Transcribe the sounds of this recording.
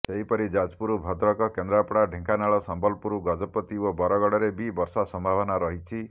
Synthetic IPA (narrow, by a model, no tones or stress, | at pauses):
seɦipɔɾid͡ʒad͡ʒpuɾubʱɔd̪ɾɔkɔkend̪ɾapɽaɖʱeŋkanaɭɔsɔmbɔlpuɾuɡɔd͡ʒɔpːɔt̪iobɔɾɔɡɔɽɔɾebibɔɾsasɔmbʱabɔnaɾɔɦit͡ʃʰi